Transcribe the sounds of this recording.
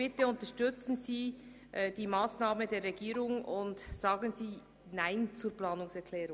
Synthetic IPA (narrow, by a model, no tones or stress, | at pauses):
b̥ɪtəʊntəʃtʏt͡sn̩ziː | ʔd̥iːmaːsnaːmədeːɾʁɛɡiːɾʊŋʊntz̥aːɡənziː | naɪnt͡suːɾplaːnʊŋsɛkʰlɛːɾʊŋ